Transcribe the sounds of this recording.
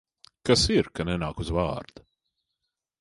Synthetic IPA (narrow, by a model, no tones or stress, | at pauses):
kasiɾkanɛnaːkuzva̰ːɾd̪̥u